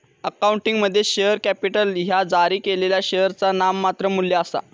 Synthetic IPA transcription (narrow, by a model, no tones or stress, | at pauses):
əkauɳʈiŋɡməd̪ʱːjeɕeəɾkæpiʈəlɦjad͡zaɾiːkeleljaɕeəɾt͡sanamːat̪ɾəmulːjaəsa̰